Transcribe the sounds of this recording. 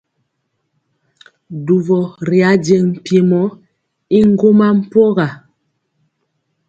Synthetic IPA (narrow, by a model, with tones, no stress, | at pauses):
du˨vɔ˨ɾi˨a˨˦de˨ŋm̩˨pi˨mɔ˨˦ | i˦ŋ˦ɡo˦ma˦m̩˦pɔ˦ɣa˨